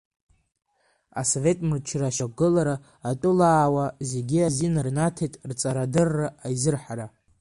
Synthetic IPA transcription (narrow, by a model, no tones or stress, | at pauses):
a̰sove̞tʼmɨt͡ʃʰraʃaɡɨlaɾaː | tʷʼʊlaːwaze̞ɡʲiazinrnatʰejtʼrt͡sʼaɾadɨrːaːjzɨrħaɾa